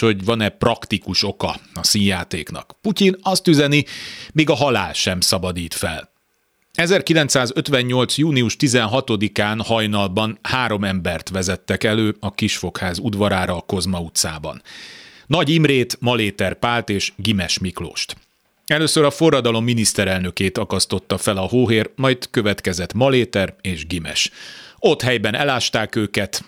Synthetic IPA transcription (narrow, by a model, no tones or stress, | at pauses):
ho̞ɟʋɒnɛprɒkt̪ikuʃo̞kɒɒsiːnjaːt̪eːknɒ̰kpucinɒst̪yzɛnimeːɡɒɦɒla̰ːlʃɛmsɒbɒd̪iːt̪fɛl | ɛzɛrkilɛnt̪saːzøt̪ʋɛɲɲo̞lt̪sjuːniuʃt̪izɛnɦɒt̪o̞d̪ikaːnhɒjnɒlbɒnhaːɾo̞mɛmbɛrt̪ʋɛzɛt̪ːɛkɛløːɒkiʃfo̞khaːzud̪ʋɒɾaːɾɒːko̞zmɒut̪saːbɒ̰nː | ɒɟimreːt̪mɒleːt̪ɛrpaːlt̪eːʃɡimɛʃmiklo̰ːʃt̪ | ɛløːsøɾɒfo̞rːɒd̪ɒlo̞mːinist̪ɛɾɛlnøkeːt̪ɒkɒst̪o̞t̪ːɒfɛlɒɦoːɦeːrmɒjt̪køvɛt̪kɛzɛt̪mɒleːt̪ɛreːʒɡimɛ̰ʃo̞t̪hɛjbɛnʔɛlaːʃt̪aːkøːkɛt̪